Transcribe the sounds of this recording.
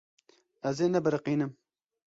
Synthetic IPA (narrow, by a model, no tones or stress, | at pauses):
ɛzeːnɛbɨɾɨqiːnɨm